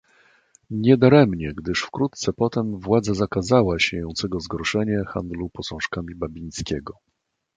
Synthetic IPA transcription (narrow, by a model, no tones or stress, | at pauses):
ɲɛd̪aɾɛmɲɛɡd̪ɘʂfkɾut̪t̪sɛpɔt̪ɛmvwad̪zazakazawaɕejɔ̃nt̪sɛɡɔzɡɔɾɔʂɛɲɛxa̰nd̪lupɔsɔ̃w̃ʂkamʲibabʲijɲskʲɛɡɔ